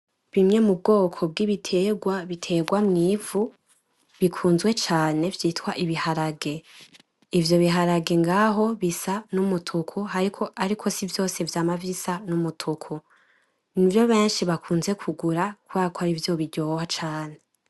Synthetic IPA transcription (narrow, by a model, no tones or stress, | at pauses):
βimŋe̞mub̚ɡo̞ːkʰo̞b̚ɡiβitʰe̞ɡwaβitʰe̞ɡwamŋiːvu | βikʰuːnzɡwe̞t͡ʃaːne̞vjiːtwaʔiβihaɾaɡe̞ | ivjo̞βiɦaɾaɡe̞ŋɡaɦo̞βisanumutʰukʰoɦaɾikʰo̞ʔaɾikʰo̞sivjo̞ːse̞vjaːmavisanumutʰukʰo | nivjo̞βe̞ːnʃiβakʰuːnze̞kʰuɡuɾakuβaːkaɾivjo̞βiɟo̞ːwat͡ʃaːne